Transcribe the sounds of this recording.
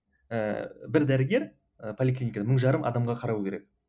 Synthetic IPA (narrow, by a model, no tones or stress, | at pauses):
əbɪɾd̪æɾɪɡʲe̞ɾ | əpʰo̞lʲɪklʲinʲikad̪aməɴʒɑɾəmɑ̰d̪ɑmʁɑqʰɑɾɑwkʲʰe̞ɾek̚